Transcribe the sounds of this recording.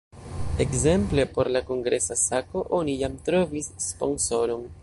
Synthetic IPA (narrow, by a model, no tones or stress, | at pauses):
e̞kze̞mple̞po̞ɾlako̞ŋɡɾe̞sasako̞ʔo̞nijamtɾo̞visːpo̞̰nso̞ɾo̞n